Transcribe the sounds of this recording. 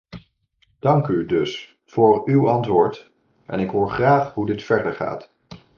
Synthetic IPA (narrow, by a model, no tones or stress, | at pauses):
d̥ɑŋkydɵs | fʊːɹywɑntʋʊːɹt | ʔɛ̰nɪkɦoːɹχraːχɦudɪtfɛɹdəɹχa̰ːt